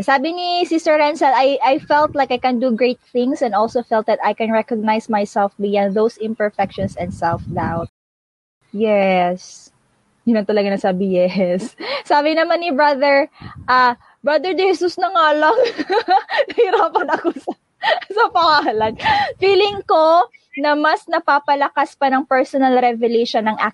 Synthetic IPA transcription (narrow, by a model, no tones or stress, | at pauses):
saːbɪnisɪsɛɹːɛnsɛlajʔajfɛlt̪̚lajkajkɐ̃nd̪uɡɹejt̪̚θɪ̃ŋsɛ̃nd̪ɔlsofɛlt̪̚d̪ɐt̪ajkɛ̃nɹɛkoɡ̚najsmajsɛlfbɪjãn̚d̪owsɪ̃mpɛɹfɛkʃɔnsɛ̃nd̪sɛlfd̪awt̪̚ | jɛs | jʊnɐnt̪ɐlɐɡanɐsaːbɪjɛsːaːbɪnɐmanːɪbɹɐðɛɹʔa | bɹɐd̪ɛɹd̪ɛhɛsusnɐŋaːlɐŋ | nɐhɪɾaːpɐnɐkosɐ | sɐpɐŋalɐɡfiːlɪŋko | nɐmɐsnɐpaːpɐlɐkaspɐnɐŋpɛɹsɔnɐlɾɛvɛlejʃonːɐŋʔa